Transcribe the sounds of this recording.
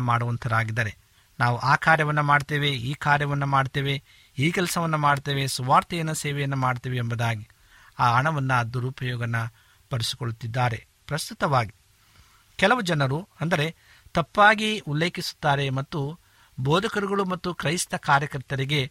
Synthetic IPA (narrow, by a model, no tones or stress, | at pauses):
maːɽuʋɐnt̪ʰɐd̪aːɡid̪ɐɾe̞ | naːʋuʔaːkʰaːɾjɐʋɐnːɐmaːɖt̪eːʋe̞iːkaːɾjɐʋɐnːɐmaːɖt̪eːʋe̞ | iːkɛlɐsɐʋɐnːɐmaːɖt̪eːʋe̞suʋaːɾt̪ijɐnːɐsɛːʋɛjɐnːɐmaːɖt̪eːʋeːmbɐd̪aːɡi | aːɐɳɐʋɐnːɐd̪uɾupɐjɔːɡɐnːɐ | pɐɾisi̥koɭut̪ːid̪ːaːɾe̞̰ | pɾɐst̪ut̪ɐʋaːɡi | kɛlɐʋud͡ʒɐnɐɾuɐnd̪ɐɾe̞ | t̪ɐpːaːɡiulːeːkisu̥t̪ːaːɾe̞mɐt̪ːu | bɔːd̪ʱɐkɐɾuɡɐɭumɐt̪ːukɾɐjst̪ɐkaːɾjɐkɐɾt̪ɐɾiɡe̞